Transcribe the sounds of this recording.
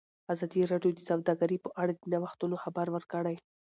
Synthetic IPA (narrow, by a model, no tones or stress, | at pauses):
azɑd̪iɾɑɖjod̪əsawd̪ɑɡaɾipəʔaɽad̪ənawaxt̪unoxabaɾwəɾkəɽaj